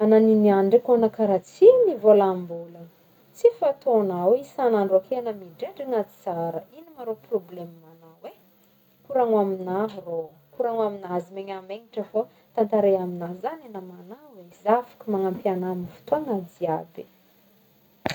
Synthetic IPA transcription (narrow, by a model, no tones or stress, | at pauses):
ananiniaɳɖ͡ʐekonakaɾat͡sinivolambulə | t͡sifat̪onaweisanaɳɖ͡ʐoakeanəmiɖ͡ʐeɖ͡ʐiŋad͡zi̥t͡saɾəinimaɾoproblemmanawe | kuɾaŋaminaɦro | kuɾaŋaminazimeɲameŋiʈ͡ʂəfo | t̪ant̪aɾejaminazananamanawezafḁkəmaŋampianaminifu̥t̪oaŋad͡ziabi